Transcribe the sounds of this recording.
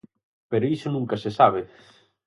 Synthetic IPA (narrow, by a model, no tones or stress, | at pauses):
peɾoisonũŋkɐsesaβ̞e